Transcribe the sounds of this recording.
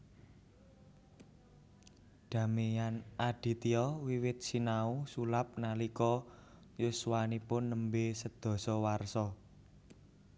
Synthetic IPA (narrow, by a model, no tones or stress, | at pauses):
ɖ̪̥ä̤mijanʔaɖ̥i̤t̪iɔwiwɪt̪̚sinausulap̚nalikɔ | juswanipʊnːəmbesəd̪̥ɔ̤sɔwarsɔ